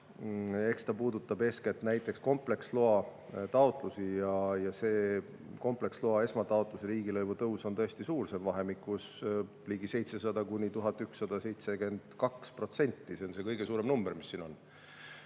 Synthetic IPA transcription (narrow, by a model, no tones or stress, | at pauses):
e̞kst̪ɑpuːd̪ut̪ːˑɑbe̞ːsket̪ːnæjt̪ːˑe̞ksko̞mple̞ksloɑ | t̪ɑot̪ˑlusijɑjɑse̞ː | ko̞mple̞ksloɑe̞smɑt̪ɑot̪ˑluseɾiːɡ̥ilɤjvut̪ɤwso̞nt̪ɤe̞sʲt̪isuːrse̞mvɑɦe̞mikːˑus | liːɡise̞jt̪se̞sɑd̪ɑkunʲit̪uɦɑt̪ːˑyksːɑd̪̥ɑse̞jt̪se̞ke̞nd̪̥kɑkspro̞t̪se̞nʲt̪ːise̞onse̞kɤjɡe̞suːɾe̞mnumbermisːino̞n